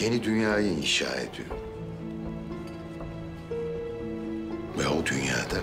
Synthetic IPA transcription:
je̞nid̪ynjaːjɯinʃa̰ːḛd̪ijo̰ɾ | vɛud̪ynja̰ːd̪a

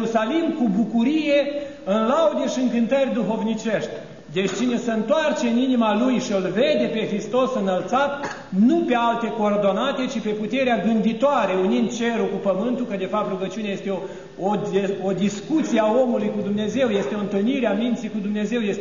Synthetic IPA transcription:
usalimkubukuɾije̞ | ɨnlaud̪eʃiɨŋkɨnt̪ərʲd̪uɦo̞vnit͡ʃe̞ʃt̪ʲ | d̪e̞t͡ʃʲt͡ʃine̞səɨnt̪oart͡ʃeɨninimalujʃiɨlved̪e̞pe̞xɾist̪o̞sɨnəlt̪sat̪ | nupe̞alt̪e̞ko̞ːrd̪o̞nat̪e̞t͡ʃipe̞put̪e̞ɾeaɡɨnd̪it̪oaɾe̞unind̪̚t͡ʃe̞ɾukupəmɨnt̪ukəd̪e̞fap̚t̪ruɡət͡ʃiuneaje̞st̪eo | ood̪iskut̪sieao̞mulujkud̪umne̞ze̞wje̞st̪eo̞ɨnt̪ɨlniɾeamint̪sikud̪umne̞ze̞wjes

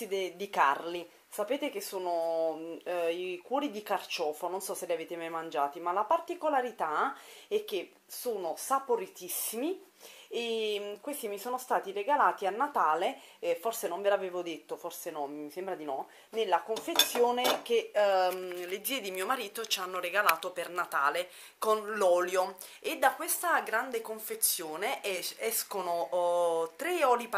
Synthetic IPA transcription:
id̪ed̪ikarli | sapeːt̪ekesːoːno | ikwɔːɾid̪ikart͡ʃɔːfononsɔsːeleaveːt̪emajmand͡ʒaːt̪imalapart̪ikolaɾit̪aɛk̟ːe | soːnosapoɾit̪isːimiekwest̪imisoːnost̪aːt̪ireɡalaːt̪ianːat̪aːle | forsenomvelaveːvod̪et̪ːoforsenɔmisembɾad̪inɔ | nelːakoɱfet̪sːjoːnek̟e | led̪zːiːed̪imiːomaɾiːt̪ot͡ʃanːoreɡalaːt̪opernat̪aːle | konlɔːljo | ed̪ːakːwest̪aɡɾand̪ekoɱfet̪sːjoːneɛskono | t̪ɾeɔːlip

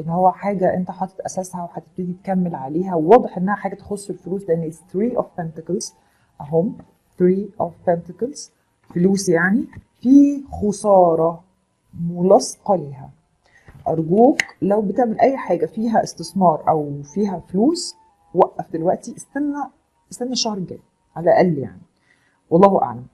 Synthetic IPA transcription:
ʔenːhowːæħaːɡæʔent̪æħɑːt̪ˤːɑ̥t̪ʔæsæshæweħæt̪eb̚t̪iːd̪it̪kæmːelʕaleːɦæwewɑːd̪ˤeħʔenːæhæħaːɡæt̪exosˤːelfoluːsleʔenːeθɾiːʔofænt̪ɪkɑlz | ʔæɦomː | θɾiːʔofθænt̪ɪklz̥ | foluːsjaʕni | fiːxosˤɑːɾˤɑ | molɑsˤqɑleːɦæ̰ | ʔɑɾˤɡuːklæwbet̪eʕmelʔæjːħaːɡæfiːɦæʔest̪esˤmɑːɾˤʔæwfiːɦæfluːs | wæʔːæfd̪elwæʔt̪iʔest̪ænːæ | ʔest̪ænːæʃɑhɾˤɡæ̰ːj | ʕalæʔælːja̰ʕni | wɑlˤːɑːhoʔa̰ʕlæm

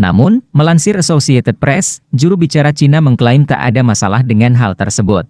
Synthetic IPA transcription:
na̰mʊnməlansɪɾasosiat̪ət̪̚pɾɛsd͡ʒuɾubit͡ʃaɾat͡ʃinaməŋkəlaɪmt̪a̰ʔa̰damasa̰lahdəŋanɦalt̪ərsəbʊt̪̚

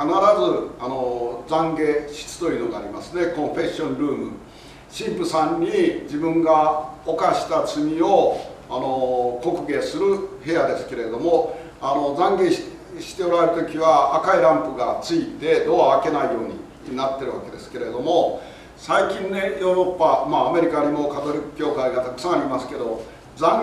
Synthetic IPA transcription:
kanaɾazɨano̞d͡zãŋɡe̞ɕi̥t͡sɨ̥t̪o̞jiɯ̟ːnoɡaːɾʲima̰sɨne̞kõ̞ɸe̞ɕõ̞nɾɯ̟ːmɯ̟̰ | ɕĩmpɯ̟sãɲːid͡ʑibɯ̟̃ŋɡaokaɕi̥t̪at͡sɨmʲio̞ano̞ko̞kɯ̟ɡe̞sɨɾɯ̟he̞jad̪e̞sɨ̥ke̞ɾe̞d̪o̞mo̞ | ano̞d͡zãŋɡe | ɕi̥t̪e̞o̞ɾae̞ɾɯ̟t̪o̞kʲiβaːkaiɾãmpɯ̟ɡat͡sɨit̪e̞d̪o̞aːke̞naijo̞ːɲ̟ḭ | nat̪ːe̞ɾɯ̟βake̞d̪e̞sɨ̥ke̞ɾe̞d̪o̞mo | saikʲĩnne̞jo̞ːɾo̞pːamaːme̞ɾʲikaɲ̟imo̞kat̪o̞ɾʲikɯ̥kʲo̞ːkaiɡat̪akɯ̟̥sãaɾʲimasɨ̥ke̞d̪o̞ | d͡zãŋ

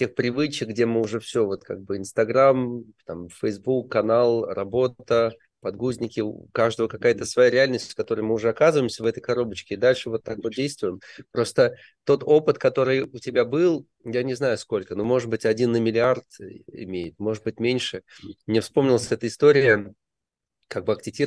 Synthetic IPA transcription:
tʲe̞xpɾʲɪvɨt͡ɕɪk̚ɡdʲemɨʊʐɛfsʲovo̞t̪ka̰ɡ̚bɨɪnst̪ɐɡɾamt̪amfəjzbukːɐnalˠrɐbo̞t̪ə | pɐd̪ɡuzʲnʲɪkʲɪkaʐd̪əvəkɐkajət̪əsvɐjaɾʲɪalʲnəsʲtʲskɐt̪o̞ɾɨjmɨʊʐɛɐkazɨvəɪmsʲəvɛt̪əjkɐɾo̞bət͡ɕkʲɪd̪alʲʂɨvo̞t̪ːakvo̞t̪̚dʲejst̪vʊjɪmpɾo̞st̪ə | t̪o̞t̪o̞pɨt̪kɐt̪o̞ɾɨjʊtʲɪbʲabɨlˠ | janʲɪznajʊsko̞lʲkənomo̞ʐɨd̪̚bɨtʲɐdʲinːəmʲɪlʲɪart̪ɪ̰mʲejɪt̪̚mo̞ʐɨd̪̚bɨtʲmʲenʲʂɨmnʲɪfspo̞mnʲɪlˠəsʲɛt̪əɪst̪o̞ɾʲɪɪ | kaɡ̚bɨɐk̚tʲɪtʲi

